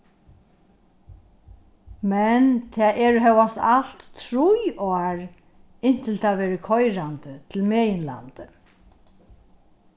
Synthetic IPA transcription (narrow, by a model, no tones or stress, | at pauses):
mɛnt̪ʰɛːʔɛːɾɦɛwast̪a̰l̥t̪ːʰɾʊjɔaɹ | ɪn̥t̪ʰɪlt̪ʰaʋɛːɾɪkʰɔjɾant̪ət̪ʰɪlmɛːjɪnla̰nt̪ə